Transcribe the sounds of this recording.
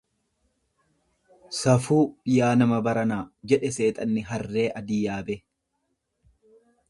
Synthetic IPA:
sɐfuːbɪjaːnɐmɐbɐɾɐnaːd͡ʒɛᶑɛse̞ːt̪ʼɐnːɪɦɐrːe̞ːʔɐd̪iːjaːbɛ

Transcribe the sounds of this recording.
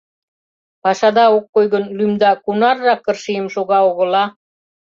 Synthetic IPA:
pɑʃɑd̪ɑokːojɣənlymd̪ɑkunɑrːɑkːərʃijəmʃoɣɑoɣə̆lɑ

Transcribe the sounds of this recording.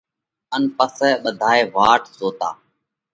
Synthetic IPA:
ənpəsɛːɓəd̪ʱaːeːʋaːʈzoːt̪a̰ː

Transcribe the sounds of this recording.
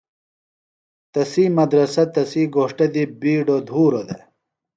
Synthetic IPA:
t̪ɐsiːmɐd̪ɾɐsɐt̪ɐsiːɡoːʂʈɐd̪ibiːɖod̪ʱuːɾod̪e

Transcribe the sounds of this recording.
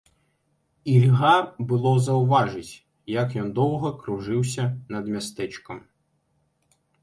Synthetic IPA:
ilʲɦɑbʊlˠɔzɐʊʋɑʒɪtʲ | jɐkjɔnd̪ɔwɦɔkɾʊʒɪwsʲɐnɐd̪mʲɐst̪ɛt͡ʃkɐm

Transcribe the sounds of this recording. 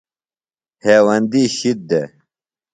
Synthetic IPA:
heːwɐnd̪iːɕit̪̚d̪e

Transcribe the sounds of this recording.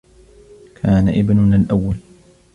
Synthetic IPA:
kʰaːna̰ʔɪbnʊnaːlʔawːal

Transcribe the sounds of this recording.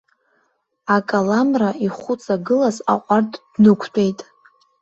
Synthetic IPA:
akʼalamraiχʷʊt͡sʼaɡɨlazaqʷʼartʰʼdnɨkʷʰtʰʼe̞jtʼ

